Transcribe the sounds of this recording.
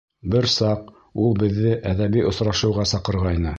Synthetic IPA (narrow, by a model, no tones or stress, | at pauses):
bɘɾsɑq | ulˠbɘ̆ðːɘʔæðæβiʔŏsɾɑʃɤ̆wʁɑsɑqɤ̆ɾʁɑjnɤ